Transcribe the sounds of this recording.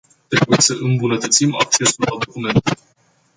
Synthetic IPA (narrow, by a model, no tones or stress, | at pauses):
t̪ɾe̞buje̞səʔɨmbunət̪ət̪simak̚t͡ʃe̞sullad̪o̞kume̞nt̪